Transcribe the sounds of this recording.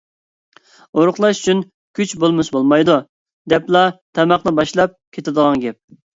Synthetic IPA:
oɾʊχlˠɑʃy̥t͡ʃʰyn | kʲʰyt͡ʃbolˠmɨʃbolˠmɑjd̪u | d̪ɛplˠɑt̪ʰɛmɑχnɨbɑʃlˠɑp̚kʲʰet̪ɪd̪əʁɑŋɡʲɛp̚

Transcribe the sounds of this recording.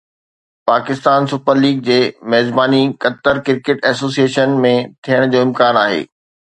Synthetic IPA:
paːkɪst̪aːnsʊpəɾliːɡ̚d͡ʑeːmɛɦzbaːnikɐt̪əɾkɪɾkeːʈɛːsoːsieːʃənmẽt̪ʰijəɽ̃d͡ʑoːɪ̃mkaːnaːɦḛː

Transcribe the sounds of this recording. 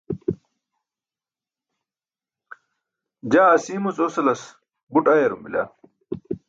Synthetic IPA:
d͡ʑaɐsiːmut͡sosɐlɐs | buʈajɐɾumbila̰

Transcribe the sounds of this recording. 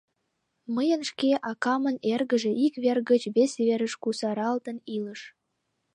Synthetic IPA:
məjə̆nʃkeʔɑkɑmə̆nerɣə̆ʒĕʔikβerɡə̆t͡ɕβesβeɾə̆ʃkusɑɾɑlt̪ənilə̆ʃ

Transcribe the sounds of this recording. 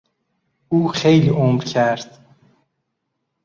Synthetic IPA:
ʔuːxejliʔomɾcʰæɾd̪̥

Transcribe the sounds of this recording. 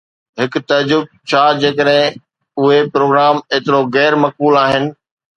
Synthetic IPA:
ɦɪkt̪ɐd͡ʑʊb̚t͡ɕʰaːd͡ʑeːkəɗɦɪ̃ | ʊɦepɾoːɡɾaːmeːt̪ɪɾoɣɛːɾmɐk̚buːlaːɦɪnɪ̆

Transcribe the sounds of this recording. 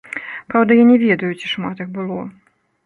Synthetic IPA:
pɾawd̪ɐjanʲɛvʲɛd̪ɐjut͡sʲi̥ʂmat̪ɨxbɨlˠɔ

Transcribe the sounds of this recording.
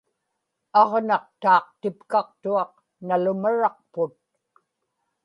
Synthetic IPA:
ɑʁnɑq̚t̪ɑːq̚t̪ɪpkɑq̚t̪uɑq̚ | nalʊmaɻɑq̚pʊt̪̚

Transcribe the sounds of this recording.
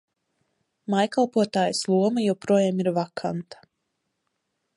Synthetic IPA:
majkalˠpuɔt̪aːjəslˠuɔmajawpɾuɔjaːmiɾvakʰa̰nt̪ḁ

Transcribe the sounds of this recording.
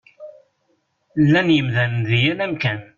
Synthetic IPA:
lːænjəmðænnðijælæmkæn

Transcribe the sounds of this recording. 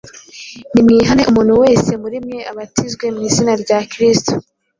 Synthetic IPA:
nimŋiːɦane̞ʔumuːn̥huwe̞ːse̞muɾimŋe̞ʔaβatizɡwe̞mŋiːzinaɾɟaːkɾisto

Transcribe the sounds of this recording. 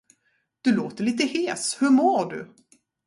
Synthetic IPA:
d̪̥ɵloːt̪əɭiːt̪əheːshɵɾmoːɖɵ̰

